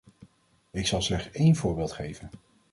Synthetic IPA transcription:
ɪksɑlˠslɛχtsejnvʊːɹbɪːlˠtχejvən

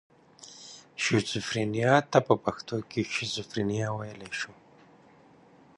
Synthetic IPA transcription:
ʃusʊfɾinijɑt̪apəpaxt̪okeʃusʊfɾinijɑwajəleʃu

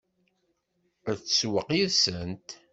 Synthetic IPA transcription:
æðt͡sːswəqiðsənt̪

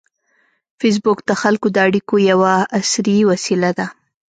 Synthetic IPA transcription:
fes̬bʊkd̪əxalkod̪əaɽikojawaːsɾiiwasilad̪a

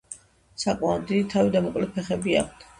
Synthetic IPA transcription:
sakʼmaɔd̪id̪it̪ʰavid̪amɔkʼlɛpʰɛχɛbia̰kʰt̪ʰ

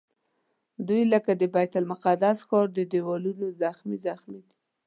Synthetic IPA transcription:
d̪ujləkad̪əbajt̪almaqad̪asxɑɾd̪əd̪ewɑlunozaxmizaxmid̪i̥

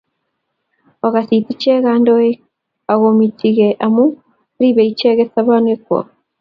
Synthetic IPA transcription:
oɣasitit͡ʃeɣaːndoe | aɣomitʰiɣeʔamu | ɾiβeit͡ʃeɣesaβanwekɔ̰

